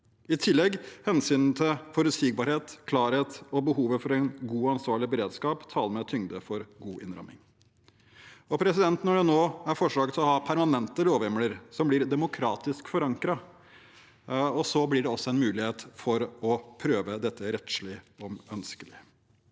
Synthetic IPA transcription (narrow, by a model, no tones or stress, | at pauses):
ɪt̪ʰɪlːɛɡhɛnsyːnn̩t̪ʰɪlfɔɾʉt̪sɪɡ̚bɑːɾheːt̪kʰlɑːɾheːt̪ɔbəɦuːʋəfɔɾɛɪnɡuːɑnsʋɑːɭɪbəɾeːd̪skɑːpt̪ʰɑːləmɛt̪ʰʏŋd̪əfɔɾɡuːʔɪ̰nɾɑ̰mɪ̰ŋ | ɔpʰɾɛsɪd̪ɛnt̪nɔɖɛnoːæɾfɔʂɭɑːɡət̪ʰlɔhɑːpʰæɾmɑnɛnt̪əɾoːʋɛmləɾsɔmblɪɾd̪ɛmʊkʰɾɑ̰ːt̪ɪskfɔɾɑŋkɾɑ | ɔsɔblɪɖɛɔsːɔɛnmʉːlɪheːt̪fɔɾɔpʰɾøːʋəd̪ɛt̪ʰːəɾɛt̪ʂlɪɔmœnskəlɪ